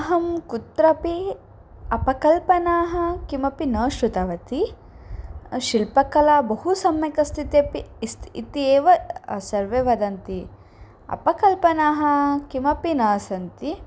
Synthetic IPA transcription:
ɦɐmkut̪ɾɐpi | ɐpɐkɐlpɐnaːɦɐ̆kimɐpinɐːʃɾut̪ɐʋɐt̪i | ʃilpɐkɐlaːbɐɦusɐmjɐkɐst̪ʰit̪epist̪ːt̪ieːʋɐsɐɾʋeːʋɐd̪ɐnt̪i | ɐ̰pɐkɐlpɐnaːɦɐ̆kimɐpinɐːsɐnt̪i

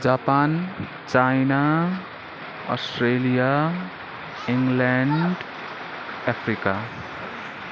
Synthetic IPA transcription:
d͡ʒapan | t͡ʃajna | ɔsʈɾelija | iŋɡlɛɳɖ | ɛpʰɾika

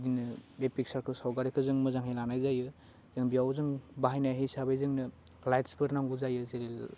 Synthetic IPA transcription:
dinɯbepik̚saɾkʰɯsawɡaɾikʰɯzɯŋmɯzaŋhejlanajzajɯ | z̥ɯŋbijawzɯŋbaɦajnajɦejsabajzɯŋnɯlajtspʰɯɾnaŋɡuzajɯzeɾel

